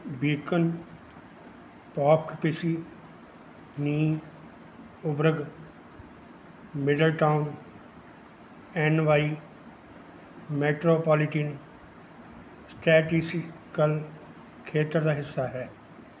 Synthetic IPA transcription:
biːkən | paːpkpɪsi | niː | ʊbɾəɡ | mɪɖəlʈaːʊn | ɛːnʋaːi | meːʈɾoːpɔːlɪʈiːn | sʈʰɛːʈiskəl | kʰeːt̪ɾd̪aɦɪsːaɦɛː

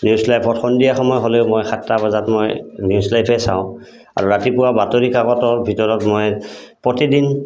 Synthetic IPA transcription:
njuslajpʰɔtxɔndijaxɔmɔjɦoleʊmojxʰatːabazatmojnjuslajpʰɛsã̰ʊ̃ | a̰ɹuɹatipʊwabatoɹikaɡɔtɔɹbʱitɔɹɔtmojpɹotidin

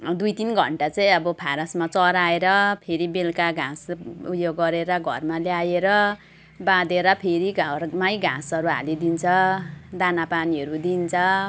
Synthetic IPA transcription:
d̪ujt̪inɡʱʌ̰ɳʈat͡saĩʌbʌpʰaɾʌsmat͡sʌɾaeɾʌpʰeɾibelkaɡʱãsujoɡʌɾeɾʌɡʱʌ̰rmaljajeɾʌ | bad̪eɾʌpʰeɾiɡʱamajɡʱã̰sʌɾuɦa̰lid̪int͡sʰʌd̪anapaniʌɾud̪int͡sʰʌ

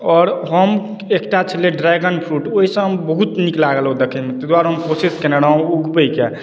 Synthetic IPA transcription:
ɔɾɦəm | ekʈat͡ʃʰəleɖɾaɡənpʰɾuʈoɦisə̃ɦəmbəɦut̪niklaɡelɦod̪ekʰəmet̪əd̪aɾɦəmpɾosiskeneɽaũuɡbəike

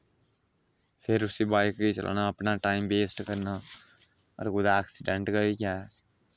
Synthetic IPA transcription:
pʰɪɾʊsibaːɪkɡit͡ʃə̰l̰ːnaɐpnaʈaːɪmbeːsʈkəɾna | ɔ̰ɾɡʊd̪aːksɪɖə̃ɳʈɡaikjaːɦɛː

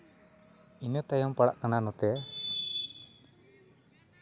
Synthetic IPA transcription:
inət̪ajɔmpaɽa̰ʔkananɔt̪ɛa

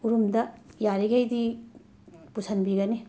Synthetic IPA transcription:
uɾumdɐjaɾiɡejdi | pusɐnbiɡɐni

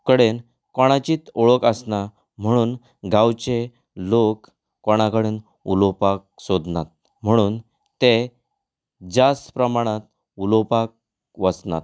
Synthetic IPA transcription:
kəɽen | kɔɽ̃at͡ɕiːt̪ɔɭɔkəsna | m̤əɽ̃uːn | ɡãwt͡ɕe | lokː | ɔɽ̃akəɽen | ṵlɔpak̚sɔd̪ʱnat̪̚ | m̤əɽ̃uːn | t̪e | d͡ʑaspɾəmaɽ̃at̪̚ | ulɔpak̚ | ʋəsna̰t̪

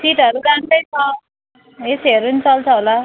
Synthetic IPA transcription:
siʈʌɾuɾant̪ʌjt͡sʰʌ | esɦeɾunit͡sʌlt͡sʰʌɦola

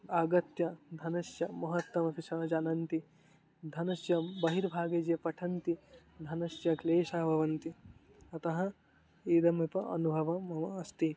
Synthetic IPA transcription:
aːɡɐt̪jɐd̪ʱɐnɐʃjɐmɐɦɐt̪ːɐmɐpiʃɐːɐd͡ʒaːnɐnt̪i | d̪ʱɐnɐʃjɐbɐɦiɾbʱaːɡed͡ʒjɐpɐʈʰɐnt̪i | d̪ʱɐnɐʃjɐkleːʃaːbʱɐʋɐnt̪i | ɐt̪ɐɦɐ | iːd̪ɐmipɐʔɐ̰nubʱɐʋɐmɐɐɐst̪i

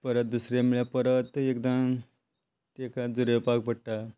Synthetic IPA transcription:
pəɾət̪̚d̪usɾemiɭjapəɾət̪ek̚d̪ã | t̪ekad͡zuɾepak̚bəɽʈa

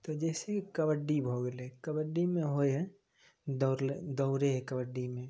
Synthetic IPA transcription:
t̪od͡ʒɛːsekikɐbəɖːibʱoɡəlekəbəɖːimẽɦoeɦɛ̃ | d̪oɾed̪ɔʊɾeɦɛkəbəɖːimẽ

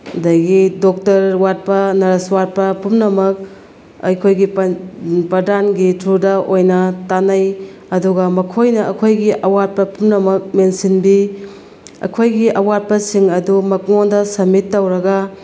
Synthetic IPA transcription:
ɐdɐjɡidok̚tɐɾwat̚pɐnɐɾɐswat̚pɐpumnɐmɐk̚ | ɐ̰jkʰojɡippɾɐdanɡitʰɾudɐʔojnɐtanɐjɐduɡɐmɐkʰojnɐɐkʰojɡiʔɐwat̚pɐpumnɐmɐk̚mensinbi | ɐ̰kʰojɡiʔɐwat̚pɐsiŋɐdumɐk̚ŋondɐsɐmitːɐwɾɐɡɐ

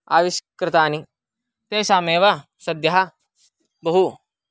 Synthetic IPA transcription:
a̰ːʋiʃkɾɪt̪aːni | t̪eːsaːmeːʋɐ | sɐd̪jaɦa | bɐɦu

